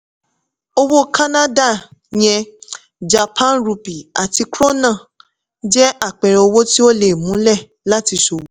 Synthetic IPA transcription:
o˧wo˦ka˦na˦da˦˨j̃ɛ̃˧ | d͡ʒa˨pʰã˦˨˦ɾu˧pi˨a˨ti˧kɾo˦nã˦˨ | d͡ʒɛ˦ʔa˦˨k͡pɛ˨ɾɛ˨o˧wo˦ti˦o˦le˦˨mũ˨˦lɛ˦˨ | la˦ti˧ʃo˨wu˨˦

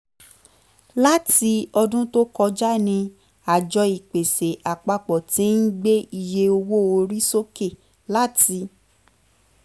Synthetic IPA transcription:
la˦ti˧ɔ˧dũ˦to˦kɔ˧d͡ʒa˦nĩ˧ | a˨d͡ʒɔ˧i˨k͡pe˨se˨ʔa˨k͡pa˧k͡pɔ˨tĩ˨˦n̩˦ɡ͡be˦i˧je˧o˧wo˦o˧ɾi˦so˦ke˦˨ | la˨˦ti˧

